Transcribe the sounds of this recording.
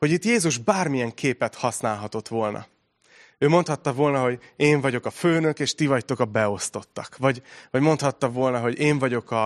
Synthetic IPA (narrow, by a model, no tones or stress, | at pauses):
ho̞ɟit̪jeːzuʒbaːrmijɛŋkʰeːpɛt̪hɒsnaːlɦɒt̪o̞t̪ʋolnʔɒ̰ | øːmo̞nt̪hɒt̪ːɒvo̞lnɒɦo̞ɟeːɱvɒɟo̞kɒføːnø̞keːʃt̪ivɒct̪o̞kɒbɛo̞st̪o̞t̪ːɒkvɒɟvɒɟmo̞nt̪hɒt̪ːɒvo̞ːlnɒɦo̞ɟeːɱvɒɟo̞kɒ